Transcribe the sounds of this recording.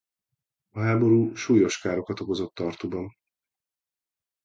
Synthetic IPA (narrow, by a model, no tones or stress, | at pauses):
ɒɦaːbo̞ɾuːʃuːjo̞ʃkaːɾo̞kɒt̪o̞ko̞zo̞t̪ːɒrt̪ubɒn